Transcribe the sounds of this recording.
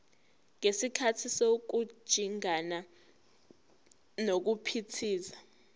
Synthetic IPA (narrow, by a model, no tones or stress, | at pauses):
ŋesikʰatʰisok̬u̥ʒ̥ʱiŋana | nok̬upʰitʰiːza